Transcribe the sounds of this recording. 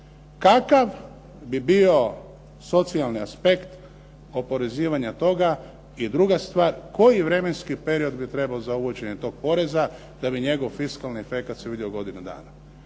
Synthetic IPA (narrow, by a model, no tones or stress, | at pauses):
kakaʋ | bibio̞ | so̞t̪sialˠniaspe̞kt̪ | o̞po̞ɾe̞ziːʋaɲat̪o̞ɡa | id̪ɾuɡast̪ʋaːɾko̞jiʋɾe̞me̞nskipe̞ɾio̞d̪bit̪ɾe̞baozauʋut͡ɕe̞ɲe̞t̪o̞ːɡ̚po̞ɾe̞za | d̪̥abiɲe̞ɡo̞ʋfiskalniefe̞kat̪seʋid̪ioɡo̞d̪inud̪a̰ːna